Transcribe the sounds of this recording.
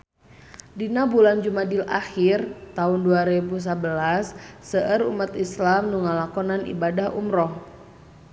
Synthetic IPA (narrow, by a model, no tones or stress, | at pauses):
dinabuland͡ʒumadila̰xirt̪aunduaɾebus̬əbəlasːəʔəɾṵmat̪islamnuŋalakɔnanḭbadahṵmɾɔh